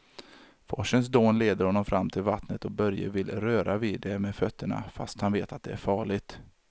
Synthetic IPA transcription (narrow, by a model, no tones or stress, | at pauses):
fɔ̰ʂəns̬d̪oːnleːd̪əɾhɔnːɔmfɾʔamːt̪ʰɪlvat̪nət̪ɔbœɾjə̰vɪlɾøːɾʔaviːd̪ɛmɛːd̪fœt̪ʰːəɳa̰fa̰st̪hanveːt̪at̪̚d̪ɛæɾfɑːɭɪɡt̪